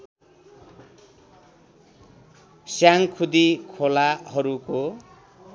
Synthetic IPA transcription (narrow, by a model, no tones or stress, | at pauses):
sjaŋkʰud̪ikʰolaɦʌɾuko